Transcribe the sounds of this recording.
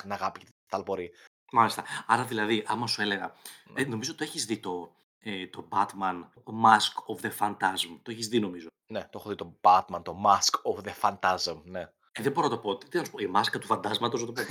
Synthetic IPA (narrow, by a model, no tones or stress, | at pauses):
nɐɣɐpicet̪ | t̪ɐlpoɾi | mɐlist̪ɐɐɾɐðilɐðiʔɐmɐsue̞le̞ɣɐ̰eno̞mizot̪oeçizðit̪o̞ | et̪o̞bɐt̪mɐn | mɐskofðefɐnt̪ɐzmt̪oeçizðino̞mizo̞ | net̪oexoðit̪ob̥ɐt̪mɐnt̪o̞mɐskofðefɐnt̪ɐzmne | eðeboɾonɐt̪o̞po̞t̪it̪inɐsu̥poimɐskɐt̪ufɐnd̪ɐzmɐt̪ozðɐt̪opo